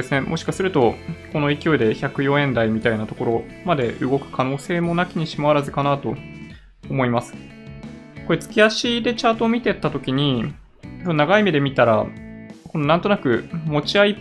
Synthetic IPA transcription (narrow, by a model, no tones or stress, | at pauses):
esɨne̞mʔo̞ɕi̥kasɨɾɯ̟t̪o̞ko̞no̞ikʲio̞id̪e̞çakɯ̟jõ̞ẽ̞nd̪aimʲit̪ainat̪o̞ko̞ɾo̞ | mad̪e̞ʔɯ̟ɡo̞kɯ̟̥kʰano̞ːse̞ːmo̞nakʲiɲ̟iɕimaβaɾazɨkanat̪o̞ː | mo̞imasɨ̥ | ko̞ɾet͡sɨ̥kʲiaɕid̪e̞t͡ɕaːt̪oːmʲit̪e̞t̪ːat̪o̞kʲiɲ̟i | onnaɡaimed̪e̞mʲit̪aɾako̞noãnt̪o̞nakɯ̟mo̞t͡ɕiai